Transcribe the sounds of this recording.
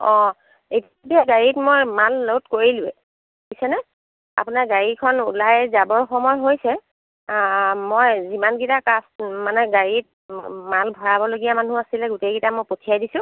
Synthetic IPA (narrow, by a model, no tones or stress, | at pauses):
ɔ̃ | ejtabiaɡaɹitmojmalːotkoɹilʊɛ | bisɛnɛ | a̰pʊnaɹɡaɹikʰɔnṵlajzabɔɹxɔmɔjɦojsɛ | mojzimanɡitakasmanɛɡaɹit̚malbʱɔɹabɔloɡijamanuasilɛɡutejɡitamojpotʰijajdisʊ̃